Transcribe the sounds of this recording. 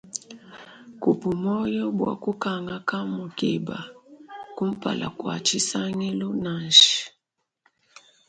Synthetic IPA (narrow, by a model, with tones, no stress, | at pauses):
ku˨pu˨mɔ˦jɔ˦bwa̰˨ku˦ka˨ŋa˦ka˦mu˨kḭ˨ba̰˨ku˦m̩˦pa̰˨la̰˨kwa̰˨t͡ʃi˦sa˦ŋi˦lɔ˦na˨nʃi̥˨